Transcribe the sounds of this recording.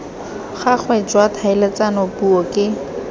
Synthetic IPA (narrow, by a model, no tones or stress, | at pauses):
χak͡xʰwɛd͡ʒwatʰaɪlet͡sanɔpuɔkʼɪ